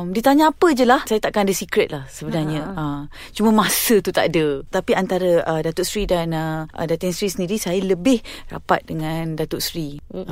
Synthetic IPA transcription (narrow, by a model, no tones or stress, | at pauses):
mdit̪aɲãːpəd͡ʒəlahsajat̪aʔakanadəsikɾɛt̪̚lahsəbənarɲəəm | t͡ʃuməmasət̪ut̪a̰ʔadət̪apiant̪aɾəədat̪ʊʔsɾidanəə̰dat̪ɪŋsɾisəndiɾisajələbɪhra̰pa̰t̪̚dəŋãndat̪ʊʔsɾi